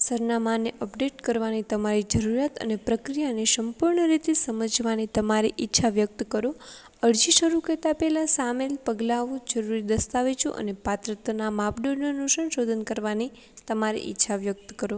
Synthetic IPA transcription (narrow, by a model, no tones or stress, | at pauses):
səɾnamaneʔəpɖeʈkəɾʋanit̪əmaɾid͡ʒəɾuɾjat̪ə̰nepɾəkɾijanesəmpuɾɳəɾit̪esəməd͡ʒʋanit̪əmaɾiʔɪtːʃʰaʋjək̚t̪kəɾo | əɽd͡ʒiʃəɾukət̪apɛlasamelpəɡlaʋũd͡ʒəɾuɾid̪əst̪aʋet͡ʃʰṵʔə̰nepat̪ɾət̪namapɖononũsənʃod̪ʱənkəɾʋani | t̪əmaɾḭʔɪ̰tːʃʰaʋjək̚t̪kəɾo